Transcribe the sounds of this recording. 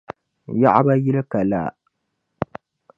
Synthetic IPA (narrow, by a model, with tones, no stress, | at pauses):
ja˦ʔa˦ba˦jɪ˦lka˨la̰˦˨